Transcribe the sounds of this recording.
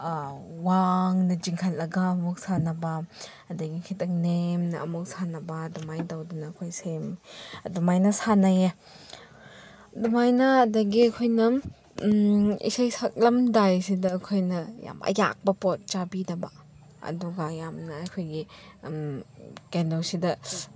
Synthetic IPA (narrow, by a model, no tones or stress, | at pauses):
waŋnɐd͡ʒiŋkʰallɐɡaːmuk̚sanɐba | ɐdɐɡikʰitɐk̚nemnɐʔɐmuk̚sanɐbadɔmajdawdunɐkʰojsemdɔmajnɐsanaje | dɔmajnɐːdɐɡiɐkʰojnɐ | ḭsajsak̚lɐmdajsidɐːkʰojnɐja̰mɐ̰ja̰k̚bɐpot̚t͡ʃabidɐbɐ | ɐ̰duɡɐjamnɐɐkʰojɡi | mkendosidɐ